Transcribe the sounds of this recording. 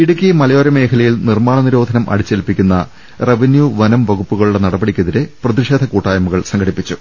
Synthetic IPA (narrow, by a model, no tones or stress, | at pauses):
iɽukʲːijmɐlɐjoːɾɐme̞ːkʰɐlɐjilnirmaːɳɐniɾo̞ːd̪ʱɐnɐmʔɐ̰ɽit͡ɕːelipːikʲːunːɐ̰ | reʋinjuʋɐnɐmʋɐɣupːuɣɐɭuɽenɐɽɐbɐɽikʲːɐðiɾeprɐðiʂe̞ːd̪ʱɐkuːʈːaːjɐmuɣɐɭsɐŋɡʱɐɽipːit͡ɕːu